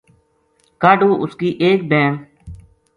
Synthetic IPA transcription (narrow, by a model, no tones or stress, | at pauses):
kaːɖuːʔʊskiːʔeːk̚bẽːm